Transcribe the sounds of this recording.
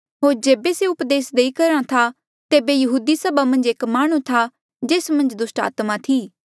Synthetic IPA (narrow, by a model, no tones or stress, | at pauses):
ɦoːɾd͡ʒeːbeseʊpd̪eːsd̪eikɐɾãt̪ʰa | t̪eːbejɐɦuːd̪isɐbamɐ̃nd͡ʒeːkmaːɽ̃ũt̪ʰa | d͡ʒeːsmɐ̃nd͡ʒd̪ʊsʈa̰ːt̪mat̪ʰiː